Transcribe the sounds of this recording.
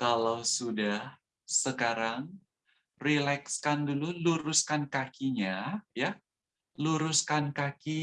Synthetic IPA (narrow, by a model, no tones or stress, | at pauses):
kalawsudah | səkaɾaŋ | rilɛkskandululuɾuskankakiɲaja | luɾuskankaki